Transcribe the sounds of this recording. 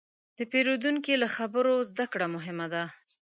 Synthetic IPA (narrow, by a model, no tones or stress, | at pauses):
d̪̥əpeɾod̪uŋkilaxabəɾozd̪akɽamʊɦɪmad̪a